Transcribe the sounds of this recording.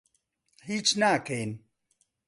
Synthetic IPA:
hiːt͡ʃnaːkʰejn

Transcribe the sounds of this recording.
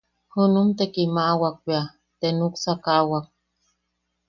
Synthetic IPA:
hunumt̪ekimaʔwak̚wea | t̪enuksakawak̚

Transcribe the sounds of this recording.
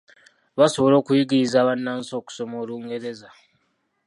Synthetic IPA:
βasoβolo̞ːkujiɡizaːβanːaːnso̞ːku̥somoːluːŋɡe̞ɾe̞za

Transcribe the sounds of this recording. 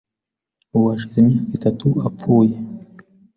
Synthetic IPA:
uβaʃizimɲaːkitatʰuap͡fuːje

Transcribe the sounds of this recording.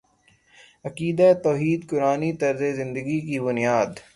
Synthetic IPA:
ɐkiːd̪aet̪ɔːɦiːd̪kʊɾaːnit̪ɐɾzezɪ̃nd̪əɡikibʊnijaːd̪

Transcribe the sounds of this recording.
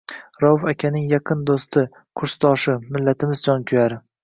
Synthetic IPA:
ɾɒfakʲʰanɪŋjɑqʰɨnd̪ost̪ɪ | qʰʊɾst̪ʰɒʃɪmɪlːat̪ʰɪmɪzd͡ʒɒnkʲʰʊjaɾɪ

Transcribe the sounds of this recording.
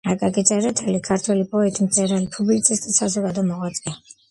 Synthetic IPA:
akʼakʼit̪sʼɛɾɛt̪ʰɛlikʰaɾt̪ʰwɛlipʼɔɛt̪ʰʼimt̪sʼɛɾalipʰublit̪sʼist̪ʼisazɔɡad̪ɔmɔʁwat̪sʼi

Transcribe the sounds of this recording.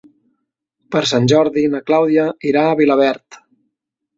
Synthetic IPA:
pəɾsanʲʒɔɾðinəklawðiəiɾaːβiləβ̞ɛɾt̪

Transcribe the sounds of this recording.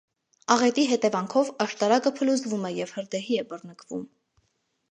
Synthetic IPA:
ɑʁɛt̪iɦɛt̪ɛvɑŋkʰɔvɑʃt̪ɑɾɑkəpʰəluzvumɛjɛvhəɾd̪ɛɦiɛbərnəkʰvṵm

